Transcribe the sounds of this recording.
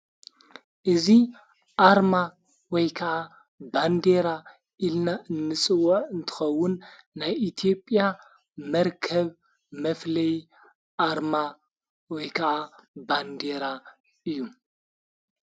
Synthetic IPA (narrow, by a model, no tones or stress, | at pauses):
ʔɨzi | ʔaɾma | wɔjkʰɐʔa | band̪eɾa | ʔilnaʔɨnːɨt͡sʼɨwːɐʕɨnt̪ʰɨ̥xɐwːʊnːajʔit̪ʰjo̞pʼːja | mɐɾkʰɐβ | mɐflɐj | ʔaɾma | wɔjkʰɐʔaband̪eɾa | ʔɨjːu